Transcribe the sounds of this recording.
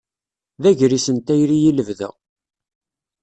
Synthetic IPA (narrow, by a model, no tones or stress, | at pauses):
ðæʝɾisənt̪æjɾijiləvðə̰ʁ